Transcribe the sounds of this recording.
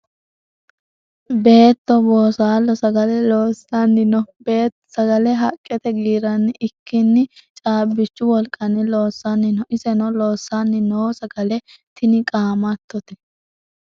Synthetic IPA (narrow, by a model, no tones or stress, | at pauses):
be̞ːt̪ːɔboːsaːlːɔsɐɡɐlɛloːsanːɪnɔbeː | sɐɡɐlɛɦɐkʼːɛt̪ɛɡiːɾɐnːɪʔɪkʰːɪnːɪt͡ʃʼaːbːɪt͡ʃːʊwɔlkʼːɐnɪlo̞ːsːanːɪnɔʔɪsɛnɔlo̞ːsːanːɪnoːsɐɡɐlɛt̪ʰɪnɪkʼaːmɐt̪ːɔt̪ɛ̥